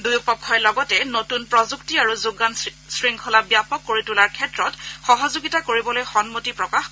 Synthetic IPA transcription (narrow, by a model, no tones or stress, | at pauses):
dujupɔkʰːɔjlɔɡɔtɛnotunpɹɔzuktiaɹuzuɡan | sɹiŋkʰɔlabjapɔkːoɹitulaɹkʰɛtɹɔtxɔɦɔzuɡitakoɹibɔlojxɔnmotipɹɔkax